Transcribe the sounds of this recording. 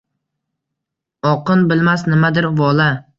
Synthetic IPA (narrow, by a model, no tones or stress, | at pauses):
ɒqʰɨnbɪlmasnɪmad̪ɪɾvɒla